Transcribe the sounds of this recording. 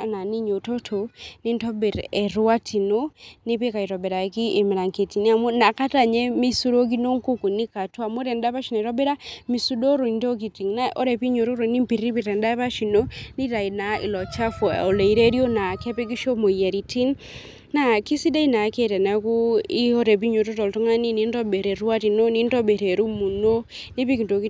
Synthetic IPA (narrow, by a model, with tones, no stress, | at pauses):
a˨na˨ni˦ɲo˨to˦tʰo˨ni˦ntɔ˦be˨ɾɛ˨ɾa˦tʰi˨no˦ne˦pe˦ka˨i˨ɾɔ˨bɛ˨ɾa˨˦ki˦ʔe˨mi˨ɾa˨ŋke˨ti˨ni˦a˨mo˦na˨ka˦ta˨ɲɛ˦mi˦su˦ɾo˦k̬i˦no˦ŋko˦ku˨ni˦ka˨tu˦a˨mo˦ɾɛ˨nda˦pa˦ʃi˨na˨ɾɔ˦be˦ɾa˦mi˨su˦do˦ɾo˨i˨nto˦k̬i˨ti˨ŋna˦ʔo˦ɾɛ˨pi˦ɲo˨ɾo˦ɾo˨ni˦mpi˨ɾi˦pi˨ɾɛ˨nda˦pa˦ʃi˨no˦ni˦ɾa˨i˨na˨ḭ˨lɔ˨t͡ʃa˦fɔ̰˨o˨le˨i˨ɾe˦ɾjo˦na˨kɛ˦pɛ˦ki˦ʃo˦mo˨ja˨ɾi˨ti˦ŋ | na˦ki˦si˦de˦i˦na˨ke˦˨tɛ˨na˦ku˦i˦o˦ɾɛ˨p̬i˦ɲo˨ɾo˦tɔ˨ltɔ˦ŋa˦ni˦ni˦ntɔ˦be˨ɾe˨ɾwa˦ti˨no˦ni˦ntɔ˦be˨ɾe˨ɾu˦mu˨no˦ | ni˦pi˦ki˨nto˨ki˦